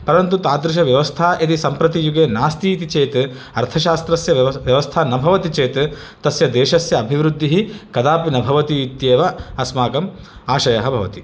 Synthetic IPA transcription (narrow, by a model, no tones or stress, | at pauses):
pɐɾɐnt̪ut̪aːd̪ɾɪʃ̬ɐʋjɐʋɐst̪ʰaːʔet̪isɐmpɾɐt̪ijuɡeːnaːst̪iːt̪it͡ʃeːt̪ | ɐɾt̪ʰɐʃaːst̪ɾɐsjɐʋjɐʋɐst̪ʰaːnɐbʱɐʋɐt̪it͡ʃeːt̪ | t̪ɐsjɐd̪eːʃɐsjɐːbʱiʋɾud̪ʱːiɦikɐd̪aːpinɐbʱɐʋɐt̪iːt̪jeːʋɐɐsmaːkɐm | aːʃɐjɐɦɐbʱɐʋɐ̰t̪i